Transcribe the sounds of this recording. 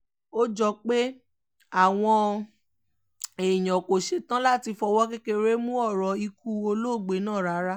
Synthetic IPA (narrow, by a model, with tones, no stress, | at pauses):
o˦d͡ʒɔ˧˦k͡pe˦ | a˦˨w̃ɔ̃˧ | e˨j̃ɔ̃˨ko˨ʃe˨˦˨tã˦la˦˨ti˧fɔ˧wɔ˦k̬e˦ke˦ɾe˦mũ˦ɔ˦˨ɾɔ˨i˧ku˧˦o˧lo˦˨ɡ͡be˨˦nãː˦˨ɾa˨˦ɾa˦